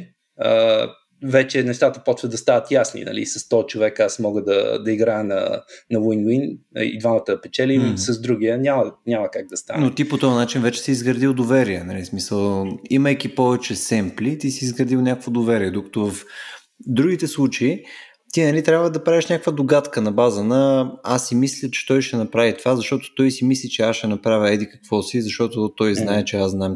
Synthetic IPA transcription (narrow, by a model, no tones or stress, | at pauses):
ə̰ | vɛt͡ʃɛnɛʃt̪at̪əpɔt̪vəd̪ɐst̪anət̪jasnḭnɐ̰lḭsɐst̪ɔt͡ʃovɛkasmɔɡəd̪ɐ̰d̪ɐiɡɾajənɐ̰nɐwinwin̰ḭd̪vanət̪əpɛt͡ʃɛlʲisəzd̪ɾuɡʲiənʲamənʲaməkaɡ̚d̪ɐst̪a̰nnot̪ipot̪ɔənat͡ʃinvɛt͡ʃɛ̥siːzɡɾəd̪ilˠd̪ovɛɾiɛnɐlismisəlˠiməjkʲipɔvɛt͡ʃɛsɛmplit̪isiːzɡɾəd̪ilˠnʲakəkvod̪ovɛɾiɛd̪okɐ̥t̪ovɐf | d̪ɾuɡ̟it̪ɛslˠut͡ʃei | t̪inɐlit̪ɾʲabvəd̪ɐpɾaviʃnʲakəkvəd̪oɡat̪kənɐbazənəasːimislʲət͡ʃɛ̥t̪ɔjʃɛnɐpɾavit̪ovazɐʃt̪ɔt̪o̥t̪ɔjsimislʲit͡ʃɛasʃɛnɐpɾavʲəɛd̪ikɐ̥kvɔsizɐʃt̪ɔt̪ot̪ɔjznaɛt͡ʃɛazznam